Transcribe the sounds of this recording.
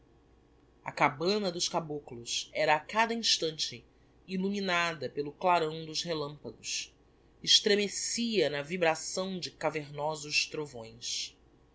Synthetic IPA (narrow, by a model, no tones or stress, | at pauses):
ɐ̰kabɐ̃nɐd̪ʊʃkabuklʊsɛɾɐːkad̪ɐĩʃt̪ɐ̃nt͡ʃɪ | iluminad̪ɐpelʊklaɾɐ̃w̃d̪ʊzhelɐ̃mpɐɡʊs | ɪʃt̪ɾemesiɐnɐvibɾasɐ̃w̃d͡ʒɪkaveɾnɔzʊʃt̪ɾovõ̰j̃s